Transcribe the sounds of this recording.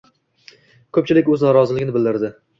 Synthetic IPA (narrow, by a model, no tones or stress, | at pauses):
kʰɵp̚t͡ʃʰɪlɪkʲɵznɒɾɒzɪlɪɡʲɪnɪbɪld̪ɪɾd̪ɪ